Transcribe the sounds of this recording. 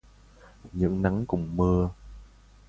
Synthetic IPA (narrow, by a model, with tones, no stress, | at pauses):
ɲɨ̰˧˥ŋna˨˦ŋkʊ̰˨˩ŋ͡mmɨ˧ə